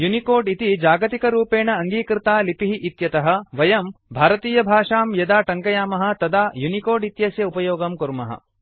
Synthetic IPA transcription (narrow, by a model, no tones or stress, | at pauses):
junikoːɾɖit̪id͡ʒaːɡɐt̪ikɐɾuːpeːɳɐːŋɡiːkɾɪt̪aːlipiɦiʔit̪jɐt̪ɐɦɐ̆ʋɐjɐmbʱaːɾɐt̪iːjɐbʱaːʂaːmjɐd̪aːʈɐŋkɐjaːmɐɦɐ̆t̪ɐd̪aːjunikoːɾɖit̪jɐsjɐupɐjoːɡɐmkuɾmɐ̰ɦɐ̰